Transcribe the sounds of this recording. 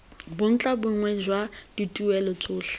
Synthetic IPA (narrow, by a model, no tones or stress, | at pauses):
bʊn̩t͡ɬʼabʊŋwɛd͡ʒwad̥itʼuɛlɔt͡sʼʊːɬḁ